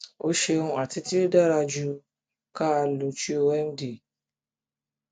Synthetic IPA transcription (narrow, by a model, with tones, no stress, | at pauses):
o˦ʃe˦ŋʷ˨a˨tɪ˦tɪ˦da˦ɾa˨d͡ʒu˦ | ka˦a˨lu˨t͡ʃi˦o˦we˦m̩˦di˨